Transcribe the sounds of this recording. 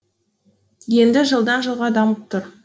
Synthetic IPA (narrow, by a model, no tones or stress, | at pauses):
je̞nd̪ɪʒəlˠd̪ɑnʒəlˠʁɑd̪ɑməp̚t̪ʰʊɾ